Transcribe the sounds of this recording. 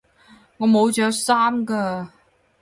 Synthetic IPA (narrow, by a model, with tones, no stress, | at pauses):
ŋɔː˨˧mo˨˧wt͡ʃœː˨˥ksaː˥mkaː˧